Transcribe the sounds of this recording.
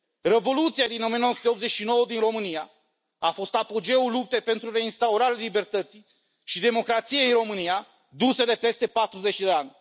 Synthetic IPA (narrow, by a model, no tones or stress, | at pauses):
re̞vo̞lut̪siad̪ino̞mianowəsut̪eopt̪zet͡ʃʲʃino̞wəd̪inro̞mɨnija | afo̞st̪apod͡ʒe̞ulup̚t̪epe̞nt̪ɾuɾe̞inst̪auɾaɾealibe̞rt̪ət̪si | ʃid̪e̞mo̞kɾat̪sijeinro̞mɨnija | d̪used̪e̞pe̞st̪e̞pat̪ɾuze̞t͡ʃd̪eanʲ